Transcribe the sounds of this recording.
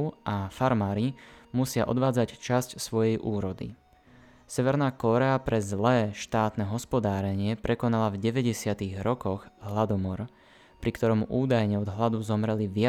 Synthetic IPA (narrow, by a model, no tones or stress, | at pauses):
ʔafaɾmaːɾimusɪaʔɔ̰d̪ʋaːd͡zact͡ʃascsʋɔjɛjʔuːɾɔd̪ḭ | sɛʋɛɾnaːkɔɾɛapɾɛzlɛːʃt̪aːt̪nɛɦɔspɔd̪aːɾɛɲɪɛpɾɛkɔnalavɟɛʋɛɟɛsɪat̪iɣɾɔkɔɣɦlad̪ɔmɔɾ | pɾikt̪ɔɾɔmuʔuːd̪ajɲɛɔd̪ɦlad̪uzɔmɾɛliʋɪa